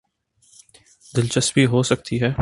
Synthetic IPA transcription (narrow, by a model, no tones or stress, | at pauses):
d̪ɪlt͡ʃəsbiɦoːsɐk̚t̪iɦɛː